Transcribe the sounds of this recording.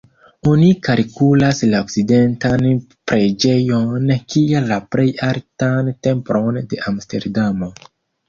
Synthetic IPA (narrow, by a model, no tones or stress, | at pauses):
onikalkulaslaokside̞ntan | pɾe̞d͡ʒe̞jonkialaple̞jaltante̞mpɾo̞nde̞ʔamste̞̰ɾdamo